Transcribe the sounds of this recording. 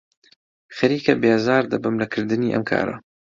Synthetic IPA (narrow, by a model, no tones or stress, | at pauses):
xɐɾiːkɐbeːzaːɾd̪ɐbɨmlɐkʰɨɾd̪ɨniːʔɐ̰mkʰa̰ːɾɐ̰